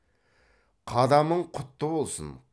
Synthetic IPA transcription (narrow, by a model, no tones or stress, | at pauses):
qʰɑd̪ɑməɴqʰʊt̪ːəbo̞lˠsə̰n